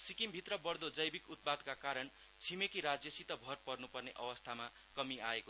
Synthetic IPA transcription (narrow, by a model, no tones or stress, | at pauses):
sikimbʱit̪rʌbʌrd̪od͡zʌjbikut̪̚pad̪kakaɾʌn | t͡sʰimekiɾad͡zjʌsit̪ʌbʱʌrpʌrnupʌrneʔʌwʌst̪ʰama | kʌmiaeko